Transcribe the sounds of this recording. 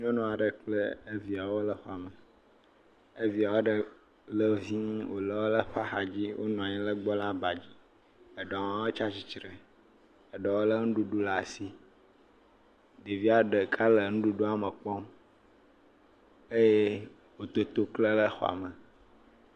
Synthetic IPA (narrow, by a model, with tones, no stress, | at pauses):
ɲɔ̃˦nɔ̃˦˨a˨ɖə˨k͡plə˦e˦vi˨a˨wo˦lə˦xɔ˨a˨mə˨ | e˦vi˨a˨wo˦ɖə˨ | lə˦vi˦wo˨lə˦wo˦lə˦ɸa˦xa˨d͡ʑi˦wʔo̰˦nɔ̃˨a˨ɲĩ˦lə˦ɡ͡bɔ˦la˦ba˨d͡ʑi˦ | ə˨ɖɔ˨˦o˦t͡ʃa˦t͡ɕi˨t͡ʃɾe˨ | ə˨ɖɔ˨wo˦lə˦ŋũ˦ɖu˨ɖu˦la˨si˦ | ɖe˨vi˦a˦ɖə˨kʰa˦lə˨nũ˦ɖu˦ɖo˦a˨mə˨k͡pɔ˦m | e˦je˦ | wo˨t̪o˦t̪o˦klə˦lə˦xɔ̰˦˨a̰˨mə˨